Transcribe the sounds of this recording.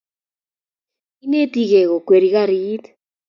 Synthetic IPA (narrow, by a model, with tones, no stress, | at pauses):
i˦ne˦t̪i˦ɣe˨ɣo˨kwe˨ɾi˨ɣa˦ɾi˦t̪